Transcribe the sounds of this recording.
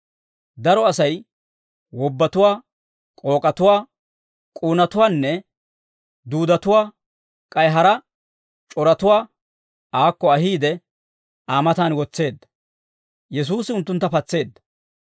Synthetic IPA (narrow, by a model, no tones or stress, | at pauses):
d̪ɐɾɔɐsɐj | wɔbːɐt̪ʊwaː | kʼo̞ːkʼɐt̪ʊwaː | kʼuːnɐt̪ʊwaːnːɛ | d̪uːd̪ɐt̪ʊwaː | kʼɐjɦɐɾɐ | t͡ʃʼɔɾɐt̪ʊwaː | aːkːɔɐɦiːd̪ɛ | aːmɐt̪aːnwɔt͡sːe̞ːd̪ːɐ̥ | jɛs̬uːsɪʊnt̪ːʊnt̪ːɐpɐt͡sːe̞ːd̪ːɐ̥